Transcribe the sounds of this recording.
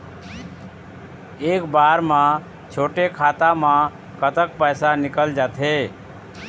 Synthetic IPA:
ekbaɾmã | t͡ʃʰoʈekʰat̪amã | kət̪əkpəjsanikəld͡ʒat̪ʰɦe

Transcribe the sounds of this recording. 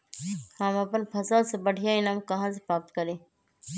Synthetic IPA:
hɐmɐpənpʰɐsəlsebɐɽ̤ʱijainɐmkɐɦãːs̬epɾaːp̚t̪kɐɾẽː

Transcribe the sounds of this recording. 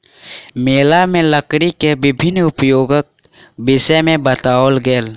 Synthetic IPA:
meːlamẽləkɽikeʋɪbʱɪnːʊpjoːɡək̚ | bɪʃəmẽbət̪aːwəlɡeːl

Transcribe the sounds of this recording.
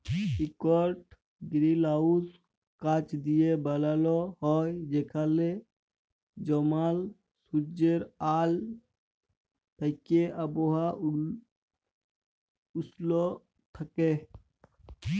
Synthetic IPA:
ikɔɾʈ | ɡɾilaːus | kat͡ʃd̪ijebəlaːloɦɔːd͡ʒeːkʰale | d͡ʒɔmaːl | sud͡ʒəɾaːl | pəkeəboɦa | ʊslo | t̪ʰəke

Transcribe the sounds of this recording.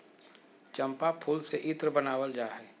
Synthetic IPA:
t͡ʃɐ̃mpapʰuːlseʔɪt̪ɾəbənaːwəld͡ʒaːɦɛː

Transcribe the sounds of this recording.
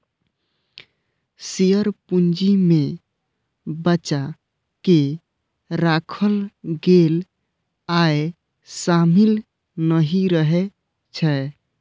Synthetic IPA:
sijəɾpund͡ʒime | bət͡ʃa | ke | ɾakʰəlɡel | ae | samil | nəɦiɾəɦɛ | t͡ʃʰɛ

